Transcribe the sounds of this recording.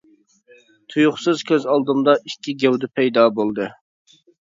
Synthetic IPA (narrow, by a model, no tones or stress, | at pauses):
t̪ʰujuχsɨzkʲʰøzɑlˠd̪ɨmd̪ɑʔikʲʰːiɡʲɛwd̪ɪpʰɛjd̪ɑbolˠd̪ɨ